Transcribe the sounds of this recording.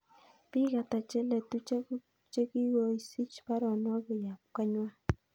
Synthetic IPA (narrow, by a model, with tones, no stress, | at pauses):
pi˦ka˨ta˨t͡ʃɛ˦lɛ˨tu˦t͡ʃe˦ku˦ | t͡ʃe˦ki˦wo˦i˦si˦t͡ʃpa˦ɾɔ˨nwa˦ku˨ja˨p̚ka˦ɲwa˦